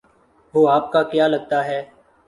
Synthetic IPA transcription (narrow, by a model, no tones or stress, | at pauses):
ʋoːaːp̚kaːkjaːləɡ̚t̪aːɦɛː